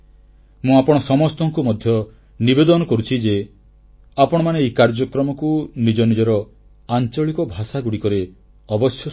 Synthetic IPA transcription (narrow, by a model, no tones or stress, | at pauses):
mũapɔɽ̃ɔsɔmɔst̪ɔŋkumɔd̪ʱjɔ | nibed̪ɔnɔkɔɾut͡ʃʰid͡ʒe | apɔɽ̃ɔmaneːjkaɾd͡ʒɔkɾɔmɔkunid͡ʒɔnid͡ʒɔɾɔ | ant͡ʃɔɭikɔbʱasaɡuɽikɔɾe | ɔbɔsjɔ